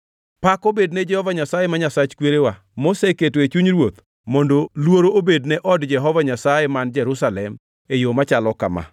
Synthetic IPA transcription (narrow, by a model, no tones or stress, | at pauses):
pakobednɛd͡ʒɛhɔvaɲasajemaɲasat͡ʃkweɾewa | moseketoet͡ʃuɲɾwot̪ | mondolwoɾoʔobednɛʔɔdd͡ʒɛɦɔvaɲasajemand͡ʒɛɾʊsalɛm | ejomat͡ʃalɔka̰ma̰